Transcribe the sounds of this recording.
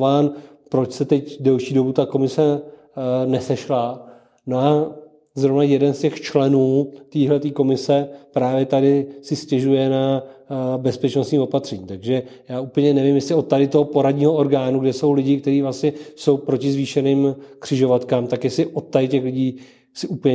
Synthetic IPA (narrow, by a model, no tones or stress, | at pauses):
vaːn | pɾo̞t͡ʃsɛt̪ɛcdɛlʃiːdo̞but̪ako̞mɪsɛ | nɛsɛʃla | no̞ʔa | zɾovnajɛdɛnscɛxt͡ʃlɛnuːt̪iːɦlɛt̪iːko̞mɪsɛpɾaːvjɛt̪adɪsɪscɛʒujɛna | bɛspɛt͡ʃnost̪ɲiːo̞pat̪r̥ɛɲiːt̪aɡʒɛjaːupl̩ɲɛnɛvɪmjɛslɪo̞t̪̚t̪ːadɪt̪o̞ɦopo̞ɾadɲiːɦoʔoɾɡaːnuɡdɛso̞wlɪɟɪkt̪ɛɾiːvlasɲɛso̞wpɾo̞cɪzviːʃɛnɪːmkr̝̥ɪʒo̞vat̪kaːmt̪akjɛslɪʔot̪t̪ːadɪcɛxlɪɟiː | sɪʔupl̩ɲɛ